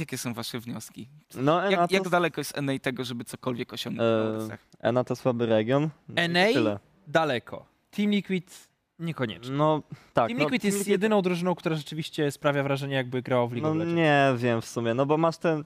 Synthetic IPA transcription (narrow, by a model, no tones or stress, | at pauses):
jakʲɛsɔ̃w̃vaʂɛvɲɔskʲinɔɛajaɡd̪alɛkɔjɛst̪ɛnɛjt̪ɛɡɔʐɛbɘt̪sɔkɔlvʲjɛkɔɕɔ̰̃ŋɡnsja̰xʔɛ̰nat̪ɔswabɘɾɛɡʲjɔnɛnɛj̪ɘlɛ | d̪alɛkʰɔ̰ | t̪ʰimlʲikwit̪ | ɲɛkɔɲɛ̰t͡ʂnɔt̪ak̪imlikwit̪jɛst̪jɛd̪ɘnɔ̃w̃d̪ɾuʐɘnɔ̃w̃kt̪uɾaʐɛt͡ʂɘvʲiɕt͡ɕɛspɾavʲjavɾaʐɛɲɛjaɡ̚bɘɡɾawavlʲiknɔɲɛvʲjɛmfsumʲjɛnɔbɔmaʂt̪ɛn